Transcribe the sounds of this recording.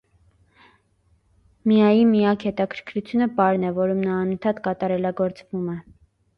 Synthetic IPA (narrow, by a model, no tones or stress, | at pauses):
mijɑjimijɑkhɛt̪ɑkʰəɾkʰɾut͡sʰjunəpɑɾn̪ɛvɔɾumnɑːnənt̪ʰɑt̪kɑt̪ɑɾɛlɑɡɔɾt͡svumɛ